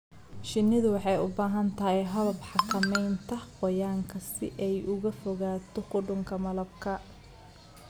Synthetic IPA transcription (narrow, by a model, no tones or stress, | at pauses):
ʃɪnːɪðʊwɑħɑjʊbaːɦɐnt̪ʰɐɦɛɦɐlɐbħɑkʰɐmɛjnt̪ʰɐqɔjaːŋkʰɐsɪ̰ʔɛjʔʊɣɐfɔɣaːt̪ʰɔqʊɖʊŋkʰɐmɐlɐb̚kʰɐ